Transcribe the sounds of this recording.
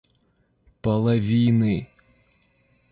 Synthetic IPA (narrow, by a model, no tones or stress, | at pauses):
pɐlˠɐʋʲijnɪ